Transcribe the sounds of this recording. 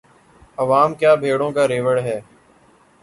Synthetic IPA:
əʋaːmkjaːbʱeːɽõːkaːɾeːʋəɽɦɛː

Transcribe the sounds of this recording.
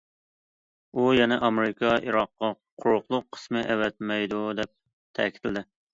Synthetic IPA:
ujɛnɛʔɑmeɾɪkʰɑiɾɑqːɑ | qʰʊɾʊqlˠʊqʰːə̥smɪʔɛwɛt̪̚mɛjd̪ud̪ɛp̚ | t̪ʰɛ̰kʲi̥t̪ʰlɪd̪ɪ

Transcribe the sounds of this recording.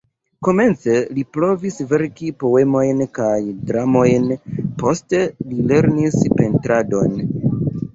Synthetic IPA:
ko̞me̞nt͡se̞lipɾo̞visve̞ɾkipo̞e̞mo̞jnkajdɾamo̞jnpo̞ste̞lile̞ɾnispe̞ntɾado̞n

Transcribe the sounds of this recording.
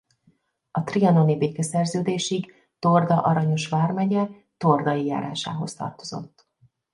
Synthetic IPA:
ɒt̪riɒno̞nibeːkɛsɛrzøːd̪eːʃik | t̪ord̪ɒʔɒɾɒɲo̞ʃʋaːrmɛɟɛ | t̪o̞rd̪ɒjija̰ːɾa̰ːʃa̰ːɦo̞st̪ɒ̰rt̪o̞zo̞̰t̪ː

